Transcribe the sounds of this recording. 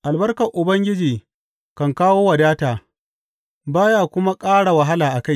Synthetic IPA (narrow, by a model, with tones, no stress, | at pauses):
ʔa˨lbɐ˦rkɐ˨ʔʊ˨bɐ˦ŋɡʲɪ˦d͡ʒiː˨ | kɐ˨ŋkaː˦woː˦wɐ˨daː˦taː˨ | baː˦jaː˦˨kʷʊ˦ma˦kʼaː˦ɽa˨wɐ˨ɦa˦laː˨ʔa˨ka˦j